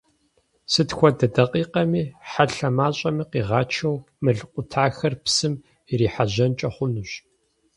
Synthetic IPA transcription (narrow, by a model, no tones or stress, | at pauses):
sɨtxʷɔdɐdɐqʼiːqɐmiːħaɬɐmaːɕʼɐmiːqiːʁaːt͡ʃʰɐw | mɨɮɨqʷʊtʰaːxɐrpsɨm | iriːħaʑɐnt͡ʃʼɐχʷʊnuɕ